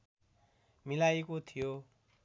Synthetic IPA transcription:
milajkot̪ʰijo

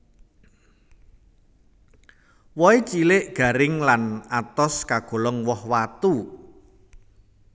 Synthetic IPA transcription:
wɔit͡ʃilɪʔɡ̥ä̤ɾɪŋlanat̪ɔskaɡ̥o̤lɔŋwɔhwat̪u

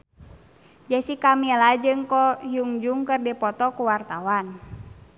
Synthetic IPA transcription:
d͡ʒasikamilad͡ʒɨŋkɔjuŋd͡ʒuŋkərdipɔt̪ɔkuwart̪awan

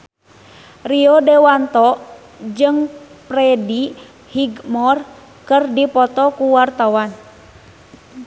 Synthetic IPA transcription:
riɔdɛwant̪ɔ | d͡ʒɨŋpɾɛdi | hiɡmɔr | kɨrdipɔt̪ɔkuwart̪awan

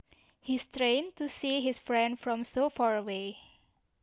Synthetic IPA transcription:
histɾẽntusiɦisfɹɛ̃ndfɹɔ̃msofaɹəwe

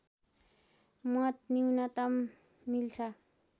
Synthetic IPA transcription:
mʌt̪niwnʌt̪ʌmː | ilt͡sʰʌ

